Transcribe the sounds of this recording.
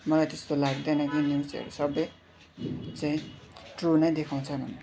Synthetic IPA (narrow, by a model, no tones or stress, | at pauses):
mʌlajt̪est̪olaɡd̪ʌjnʌkinjuwt͡sʌ̰ɾusʌbʌj | t͡saĩʈrunʌjd̪ekʰaw̃t͡sʰʌnʌ̰n